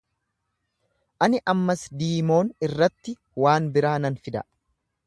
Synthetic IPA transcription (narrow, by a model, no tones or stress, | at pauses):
ʔɐnɪʔɐmːɐsd̪iːmo̞ːnɪrːɐt̪ːɪ | waːnbɪɾaːnɐnfɪd̪ɐ̰